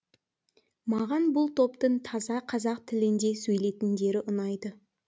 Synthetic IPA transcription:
mɑʁɑnbʊlˠt̪ʰo̞pt̪əɴt̪ʰɑzɑqʰɑzɑq̚t̪ʰɪlɪnd̪e̞sɵjle̞t̪ɪnd̪e̞ɾɪʔʊnɑjd̪ə

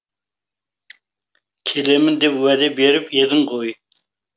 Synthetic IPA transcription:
kʲʰelemɪnd̪ɛpwæd̪ɛbeɾɪpjed̪ɨŋʁoj

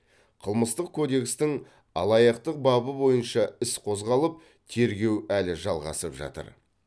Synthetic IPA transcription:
qʰəlˠməst̪əqkʲʰo̞d̪e̞kst̪ɪŋ | ɑ̰lˠɑjɑqt̪əq̚bɑbəbo̞jənʃɑɪsqʰo̞zʁɑlˠəp̚ | t̪ʰe̞ɾɡʲe̞wælɪʒɑlˠʁɑ̰səpʒɑ̰t̪ə̰ɾ

